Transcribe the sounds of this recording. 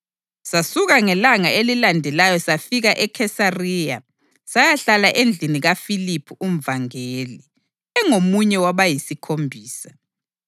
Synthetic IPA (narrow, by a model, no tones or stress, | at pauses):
sasuɣaŋɛlaŋaelilandʱɛlajɔsafiɣaʔɛkʰɛsarija̰ | sajaɬalaʔend͡ɮʱiniɣafilipʰuʔum̩vaŋeːli | ɛŋomuɲɛwaβajisikʰombʱiːsḁ